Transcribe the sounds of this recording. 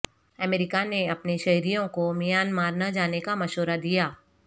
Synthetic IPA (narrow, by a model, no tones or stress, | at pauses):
ɐmeːɾɪkaneɐpneʃɐɦɾijõkomijaːnmaːɾnad͡ʒaːnekamɐʃoːɾad̪ijaː